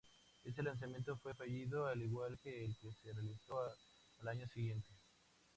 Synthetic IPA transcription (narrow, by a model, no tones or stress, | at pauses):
e̞st̪elans̬amjent̪ofwe̞faʝiðoaliɣwalkeːlkeserealiso | alaɲosiɣje̞nt̪e